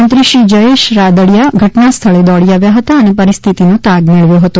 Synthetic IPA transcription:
ənt̪ɾiʃid͡ʒəeʃɾad̪əɭjaɡʱəʈnast̪ʰəɭed̪ɔɭiaʋjaɦət̪aənepəɾist̪ʰit̪inot̪aɡmeɭʋjoɦət̪o

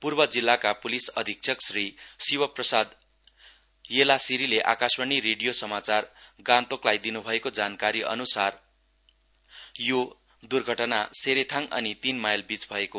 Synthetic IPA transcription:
purbʌd͡zilːakapulisʌd̪ʱik̚t͡sʰʌksrisiwʌprʌsad̪ | jelasiɾileʔa̰kasbʌɳ̃iɾeɽijosʌmat͡sarɡãnt̪oklajd̪inubʱʌekod͡zankaɾiʌ̰nusar | jo | d̪urɡʱʌʈʌnaseɾet̪ʰaŋʌ̰nit̪inmajlbit͡sbʱʌeko

